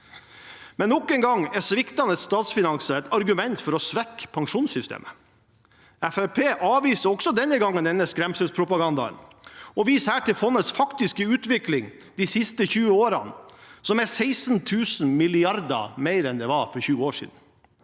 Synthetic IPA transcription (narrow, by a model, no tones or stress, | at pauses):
mɛnːɔkːɛŋɡɑŋɛsʋɪkt̪ɑnətst̪ɑːt̪sfɪnɑnsəɛt̪ɑɾɡʉmɛnt̪fɔɾɔsʋɛkːpʰɑŋʂuːnsʏst̪ḛːmʔə̥ | æfæpʰeːʔɑːʋiːsəɾɔɡ̥sɔd̪ɛnːəɡɑŋːənd̪ɛnːəskɾɛmsəspʰɾʊpɑɡɑnd̪ɑ̰ə̰nɔʋiːshæːʈɪlfɔnːət̪sfɑkt̪ɪskəʉːt̪ʋɪklɪŋ | d̪isɪst̪əçʉːəoːɾɑ̰nsɔmæsæɪsnt̪ʰʉːsn̩mɪlɪɑɾd̪ɑ̰meɪɾɛnd̪ɛʋɑfɔɾçʉːəoːʂḭːd̪n̩